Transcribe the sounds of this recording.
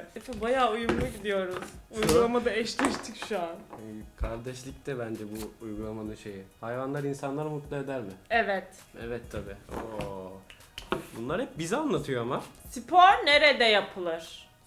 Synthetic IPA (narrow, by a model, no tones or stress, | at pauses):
ɛfɛbajaːujumːuɟid̪ijo̞ɾuzujɡɡulˠamad̪aɛʃt̪ɛʃt̪ʰicʃuankʰaɾd̪ɛʃlʲic̚t̪ʰɛbænd͡ʒɛbuːjɡulˠamanɯnʃe̞jɪhajvanlˠaɾinsanlˠaɾmut̪lˠae̞d̪æɾmɪɛvɛt̪ | ɛvɛt̪ʰːabiːoː | bunˠaɾhɛp̚bizɛanlːˠat̪ʰɯjoamasipʰoɾne̞ɾɛd̪ɛjapʰɯlˠɯɾ̥